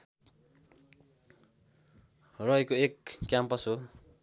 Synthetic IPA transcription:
rʌjkoekːjampʌso

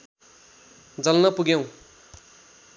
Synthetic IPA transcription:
d͡zʌlnʌpuɡjew̃

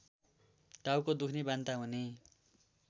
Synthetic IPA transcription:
ʈawkod̪ukʰnibant̪aɦune

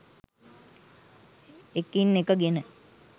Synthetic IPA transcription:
ekinːekəɡenə

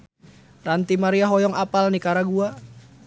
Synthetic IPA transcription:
rant̪imaɾiaɦɔjɔŋapalnikaɾaɡua

